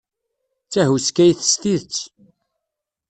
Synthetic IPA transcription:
t͡sːæɦuskæjθə̥st̪iðt͡sː

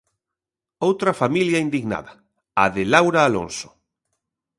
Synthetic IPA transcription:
owt̪ɾɐfamiljaind̪iɣna̰ðɐ | aðɪlawɾaːlo̰nso̥

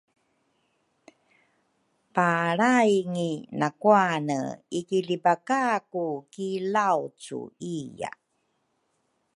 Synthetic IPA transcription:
paɾajŋinakuanə̰ikilibakakukilawt͡sṵija̰

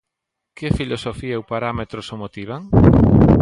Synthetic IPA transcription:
kefilosofiɐewpaɾamet̪ɾosomot̪iβ̞aŋ

